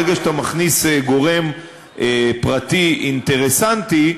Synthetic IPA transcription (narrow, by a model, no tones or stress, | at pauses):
eɡaʃt̪amaχniseɡo̞ʁe̞m | epʁat̪iint̪e̞ʁesant̪i